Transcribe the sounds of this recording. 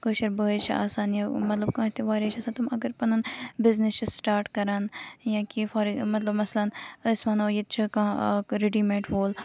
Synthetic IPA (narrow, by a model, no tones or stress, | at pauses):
koːʃɐɾbəːt͡ʃʰa̰ːsaːnjamɐt̪lɐb̚kãːt̪ʰeʋaːɾet͡ʃʰɐsãːt̪ɐmɐɡəɾpɐnɐnbɪznɪst͡ʃʰisʈaːɾʈkɐɾaːnjãkifaːɾiɡmɐt̪lɐbmɐslɐnəsmɐnoːjet̪̚t͡ʃʰikãːɾeɖimeːʈʋoːl